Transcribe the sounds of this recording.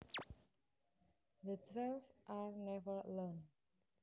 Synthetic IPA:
d̪ətʰwɛlfʔaɹnɛvəɹlɔ̃n

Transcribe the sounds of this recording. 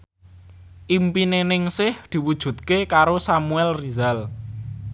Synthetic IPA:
ʔimpinenɪŋsɪhd̪̥i̤wud̥ʒ̥ṳt̪̚kekaɾosamuɛlrizal

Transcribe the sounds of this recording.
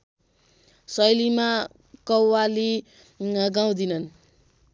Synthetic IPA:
sʌjlima | kʌwːali | ɡaw̃d̪inʌn

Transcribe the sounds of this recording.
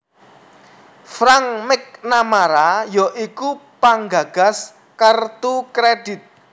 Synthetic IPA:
fɾaŋmɪk̚namaɾajɔʔikupaŋɡa̤ɡ̥a̤s | kərt̪ukɾed̥ɪ̤t̪̚

